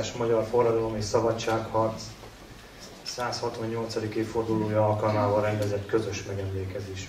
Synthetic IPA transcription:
ʃmɒɟɒrfo̞rːɒd̪ɒlo̞meʃsɒbɒt͡ʃːaːkhɒrt̪s | saːshɒt̪ʋɒɲːo̞lt̪sɒd̪ikeːffo̞rd̪uloːjɒɒlkɒlmaːvɒɾɛnd̪ɛzɛt̪kø̞zø̞ʃmɛɡɛmleːkɛzeːʃ

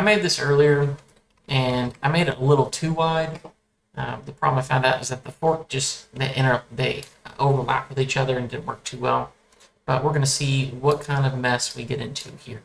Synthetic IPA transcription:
aɪmeɪd̪̚ðɪsɜ˞lˠiə˞ | ɨ̃naɪmeɪɾɨɾə̰lɪɾl̩ˠtʰʉwaɪd̚ | ʔðəpʰɹ̥ɑ̰bləmaɪfãʊ̃ndaʊt̚wʌzðɨt̪̚ðəfɔɹk̚d̥ʒ̥ʌsðeɪʔɪ̃ɾ̃ə˞ʌp̚ðeɪʔoʊvə˞læ̰p̚wɨðit͡ʃʌðə˞ɨ̃ndɪdⁿn̩ʔwɜ̰˞k̚tʰʉwɛ̰lˠ | b̥ʌʔ̚wəɹɡʌñɨsiwʌt̚kʰãɪ̃ndʌvmɛswiɡɛɾɪ̃ntʰʉhiɹ

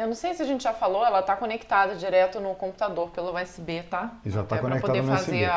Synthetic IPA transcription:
ewnɐ̃w̃sejsɪaʒẽnt͡ʃɪʒafaloɛlɐt̪akonekt̪ad̪ɐd͡ʒiɾɛt̪ʊnʊkõpu̥t̪ad̪oɾpelʊɛsɪbet̪aiat̪aɛkonɾɐektpod̪aedɐnɛazseeɾ

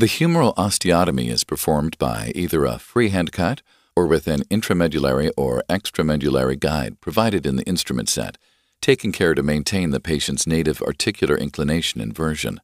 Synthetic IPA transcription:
ðɨhjʉmə˞l̩ˠʔɑstiɑɾəmḭɪ̰z̥pʰə˞fɔɹmba̰ɪʔiðə˞ə̰fɹiɦæ̃ndkʰɑɾ | ə˞wɪðɨ̃nɪ̃ntʰɹ̥ɨmɛd͡ʒɨlˠɛɹiʔə˞ɛkstɹ̥ɨmɛd͡ʒɨl̩ˠɛ̰ɹiɡaɪd̚pʰɹ̥ɨvaɪɾɨɾɨ̃nðiʔɪ̃nstɹ̥mɨ̰̃ntsɛ̰tʰː | eɪkɪ̃ŋkʰɛɹɾɨmẽɪ̃ntʰẽɪ̃nðɨpʰeɪʃɨ̃ntsneɪɾɨvɑ̰˞tʰɪkjl̩ˠə̰˞ʔɪ̰̃nkʰl̥əneɪʃɨnɨ̰̃nvɜ˞ʒɨ̰̃n

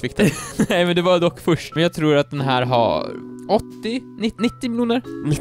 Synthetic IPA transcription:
fɪk̚ːd̪ɛnɛɪmɛnd̪ɛvad̪ɔkːfœʂʈmɛnjɑɡ̚t̪ʰɾuːɾat̪̚d̪ɛnɦæːɾɦa̰ɔt̪ːɪnɪnɪt̪ːɪmɪluːnəɾnɪ

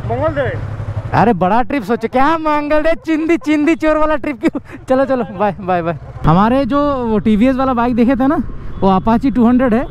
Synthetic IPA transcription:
mɐŋɡəld̪eɐ̰ɾebɐɽaʈɾɪpsoːt͡ʃkjaːmãːŋɡəld̪et͡ʃɪ̃nd̪it͡ʃɪ̃nd̪it͡ʃoːɾʋaːlaʈɾɪp̚kjot͡ʃɐlot͡ʃɐlobʱaːibʱaːjbʱaːiɦɐmaːɾed͡ʒoːʈiːbiesʋaːlabaːɪk̚d̪eːkʰet̪ɦɛnaʋoapãt͡ʃiʈuːɦəɳɖɾeɖɦɛː

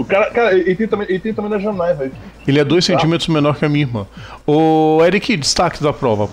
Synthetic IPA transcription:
ʊkaɾɐkaɾɐeelɪt̪ẽj̃t̪ɐ̃mẽj̃ʔelɪt̪ẽj̪̃ɐ̃mẽj̃d̪ɐzʒeɾnajzɐikelɪɛd̪ojsẽnt͡ʃĩmet̪ɾʊzmẽnɔɾkɪɐmĩiɾmɐ̰̃ʊɛɾikɪd͡ʒɪst̪akɪd̪ɐpɾɔvɐ

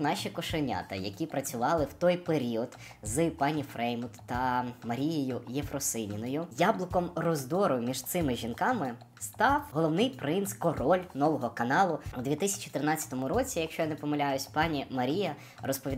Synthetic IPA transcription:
nɑʃʲikɔʃenʲa̰t̪ɐ̰jɐ̰kʲipɾɐt͡sʲʊʋɑlˠɪwt̪ɔjpeɾʲiɔd̪ | zɨpɑnʲifɾɛjmʊt̪t̪ɐmɐɾʲijejʊjefrɔsɪnʲinɔjʊjablˠɪkɔmrɔzd̪ɔɾʊmʲiʒt̪sɪmɪʒʲinkɑmɪ | st̪ɑwɦɔlˠɔwnɪjpɾɪnskɔrɔlʲnɔʋɔɦɔkɐnɑlˠʊud̪ʋʲit̪ɪsʲɐ̥t͡ʃiit̪ɾɪnɑt͡sʲːɐ̥t̪ɔmʊɾɔt͡sʲijɐkʃt͡ʃɔjanɛpɔmɐlʲajʊsʲpɑnʲimɐɾʲijɐ | rɔspɔʋʲid̪

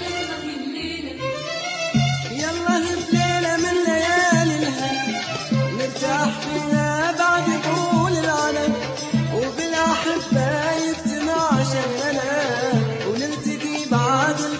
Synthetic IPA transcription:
jɑlˤːɑːhɪbleːnamɪnlajaːlɪlɦan | nɪbt̪aʔaħfiːnabaʕd̪buːlɪlʕalam | wbɪlʔaħabːajɪbt̪ɪnaʕʃalana | wnɪɾt̪aɡibaʕʕd̪ɪl

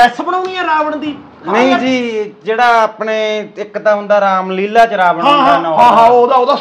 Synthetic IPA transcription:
ɛːsəbənaʊnĩːɛːɾaːʋəɳd̪iː | nəĩd͡ʒiːd͡ʒeːɽaːaːpneːɪkːt̪ãːɦʊ̃nd̪aːɾaːmliːlaːt͡ʃɾaːʋəɳãːɦaːnãːãːod̪aːod̪aː

